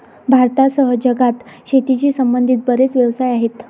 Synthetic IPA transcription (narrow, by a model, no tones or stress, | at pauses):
bʱaɾt̪asəɦəd͡ʑəɡat̪ɕet̪it͡ɕiːsəmbənd̪ʱiːt̪̚bəɾet͡sʋjəʋsajaɦet̪